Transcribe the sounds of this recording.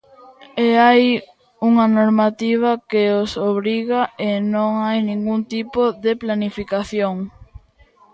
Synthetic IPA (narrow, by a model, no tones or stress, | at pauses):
eaj | uŋɐnoɾmat̪iβ̞ɐkeosoβɾiɣaenõŋajnĩŋɡunt̪ipoðeplanifikaθjoŋ